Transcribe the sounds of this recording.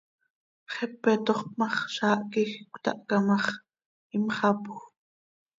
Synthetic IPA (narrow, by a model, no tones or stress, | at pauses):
χɛpːɛt̪oχpmɑχʃɑːʔkixkʷt̪ɑ̰ʔkamɑχ | imχɑpux